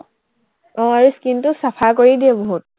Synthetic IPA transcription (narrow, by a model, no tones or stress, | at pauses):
ɔ̃aɹuskintusapʰakoɹidiɛboɦut̚